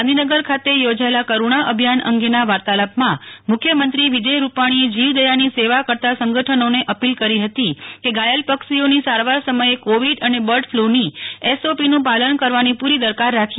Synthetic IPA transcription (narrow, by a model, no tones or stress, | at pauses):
nd̪ʱinəɡəɾkʰat̪ejod͡ʒaelakəɾuɳ̃aʔəbʱjanə̰ŋɡenaʋaɾt̪aləpmãmʊkʰjəmənt̪ɾiʋid͡ʒəjɾupaɽ̃ied͡ʒiʋd̪əjaniseʋakəɾt̪asəŋɡəʈʰənoneʔəpilkəɾiɦət̪ikeɡajəlpəksionisaɾʋaɾsəməekoʋiɖənebəɾʈfʰluniɛsopinũpalənkəɾʋanipuɾid̪əɾkaɾːakʰ